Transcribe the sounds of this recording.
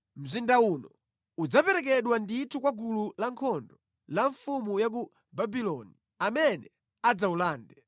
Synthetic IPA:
m̩zindaunɔ | ud͡zapɛɾɛk̬ɛɗwanditʰukwaɡululaŋkʰɔndɔ | laɱfumujak̬u | babilɔni | amɛnɛ | ad͡zaulaːndɛ

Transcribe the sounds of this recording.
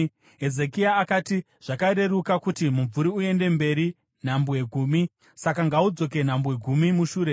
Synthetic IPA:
ɦeze̞kiaːkaːti | ʐ̥akaɾe̞ɾukakutimuɱvuɾiue̞nde̞mbe̞ɾi | n̤ambweɡʱuːmi | sakaŋɡaud͡zo̞ke̞n̤ambwe̞ɡʱumimuʃuːɾe̞

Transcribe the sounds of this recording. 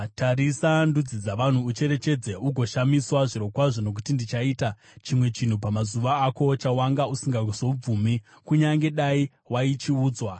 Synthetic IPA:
tʰaɾisandud͡zid͡zaʋan̤uːt͡ʃe̞ɾe̞t͡ʃe̞d͡ze̞ʔuɡʱo̞ʃamiswaʐiɾo̞kwaʐo̞no̞k̬utindit͡ʃaiːta | t͡ʃimwe̞t͡ʃin̤upamazuʋaːko̞t͡ʃawaŋɡausiŋɡaɡusoub͡vumi | kuɲaŋɡe̞ɗai | wait͡ʃiuːd͡zwa

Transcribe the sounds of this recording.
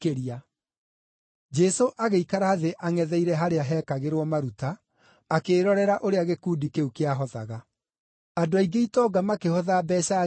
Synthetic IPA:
eɾa | d͡ʒɛsoʔaɣeikaɾaːðeʔaŋɛðɛiɾɛɦaɾeaɦɛːkaɣeɾwɔmaɾutaː | keːɾɔɾɛɾaʔoɾeaɣekuːdikeukeaɦɔða̰ɣa | adoaiɡeitɔɡamakehɔðaːbɛːɕa

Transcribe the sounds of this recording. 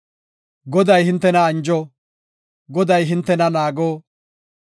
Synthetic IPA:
ɡɔd̪ɐjhɪnt̪ːɛnɐːnd͡ʒɔ | ɡɔd̪ɐjɦɪnt̪ːɛnɐnaːɡoː

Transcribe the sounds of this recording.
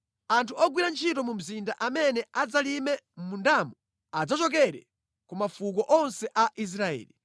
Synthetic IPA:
antʰuɔɡwiɾant͡ʃʰitɔmum̩zindaʔamɛnɛad͡zalimɛmundamu | ad͡zat͡ʃɔk̬ɛɾɛ̰ | kumafukɔʔɔnsɛʔaʔis̬ɾaɛ̰ːli

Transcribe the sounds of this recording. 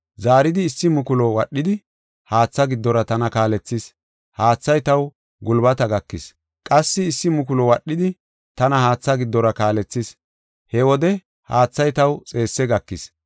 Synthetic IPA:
zaːɾɪd̪ɪːsːɪmʊkʊlɔwɐɗːɪd̪ɪ | haːt͡sːɐɡɪd̪ːɔɾɐt̪ɐnɐkaːlɛt͡sːɪs | haːt͡sːɐjt̪ɐw | ɡʊlbɐt̪ɐɡɐkːɪs | kʼɐsːɪːsːɪmʊkʊlɔwɐɗːɪd̪ɪ | t̪ɐnɐhaːt͡sːɐɡɪd̪ːɔɾɐkaːlɛt͡sːis | hɛwɔd̪ɛ | haːt͡sːɐjt̪ɐwt͡sʼe̞ːsːɛɡɐkːɪs

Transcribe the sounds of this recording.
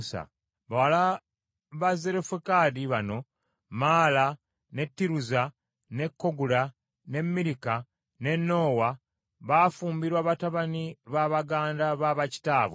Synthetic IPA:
sa̰ | βawala | βaze̞ɾefekadiβano̞ | maːla | ne̞tːiɾuza | ne̞kːo̞ɡuɾa | ne̞mːiɾika | ne̞nːo̞ːwa | βafuːmbiɾwaːβataβaniβaβaɡaːndaβaβaci̥taːβwe

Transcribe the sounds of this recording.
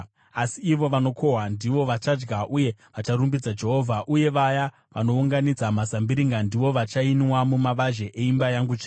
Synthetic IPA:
asiːʋo̞ʋano̞kʰo̞ɦwandiʋo̞ʋat͡ʃad͡ʒɡaʔuje̞ʋat͡ʃaɾumbid͡zad͡ʒe̞ɦo̞vʱaʔuje̞ʋaja | ʋano̞uŋɡanid͡zamazambiɾiŋɡandiʋo̞ʋat͡ʃainwamumaʋaʒe̞ʔeimbajaŋɡut͡ʃː

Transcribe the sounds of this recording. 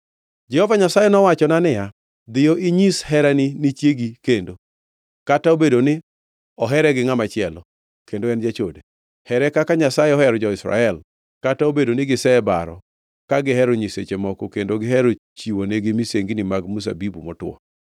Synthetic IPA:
d͡ʒɛhovaɲasajɛnɔwat͡ʃɔnanɪja | d̪ɪjoʔiɲishɛɾanɪnɪt͡ʃjeɡikendo | kataobedonɪ | ɔɦɛɾɛɡɪŋamat͡ʃɪɛlɔ | kendoɛnd͡ʒat͡ʃode | hɛɾɛkakaɲasajeɔhɛɾɔd͡ʒɔɪsɾa̰ɛl | kataobedonɪɡɪsɛbaɾɔ̰ | kaɡɪɦɛɾoɲiset͡ʃemɔkɔkendoɡɪɦɛɾo | t͡ʃiwoneɡɪmiseŋɡinɪmaɡmus̬a̰bibumɔtwɔ̰

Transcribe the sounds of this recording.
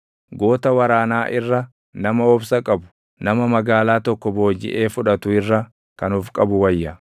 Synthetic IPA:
ɡo̞ːt̪ɐwɐɾaːnaːʔɪrːɐ | nɐmɐɔbsɐkʼɐbʊ̥ | nɐmɐmɐɡaːlaːt̪ɔkːɔbo̞ːd͡ʒːɪ̰ʔeːfʊᶑɐt̪ʊɪrːɐ | kɐnuːfkʼɐbʊwɐjːɐ

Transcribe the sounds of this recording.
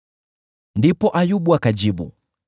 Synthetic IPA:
ndipɔʔajuɓuakad͡ʒiɓṵ

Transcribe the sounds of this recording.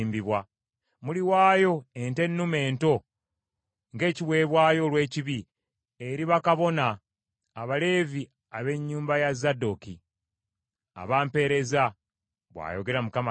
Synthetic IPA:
mbiβwa | muliwaːjo̞e̞nte̞nːume̞ːnto̞ | ŋɡe̞ːciwe̞ːβwaːjo̞lwe̞ːciβi | eɾiβakaβo̞naː | βale̞ːvi | aβe̞ɲːuːmbajazado̞ki | a̰βaːmpe̞ɾe̞za | βwa̰joɡe̞ɾamukama

